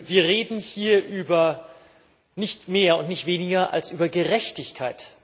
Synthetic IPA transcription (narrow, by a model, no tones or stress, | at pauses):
viːɐʁeːdn̩hiːɐʔyːbɐ | nɪçtmeːɐʊntnɪçtv̥eːnɪɡɐʔa̰lsʔyːbɐɡəʁɛçtɪçkʰaɪt